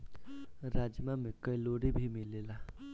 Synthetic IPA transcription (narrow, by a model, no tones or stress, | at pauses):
ɾad͡zjəmamekːəjloɽibʱimilela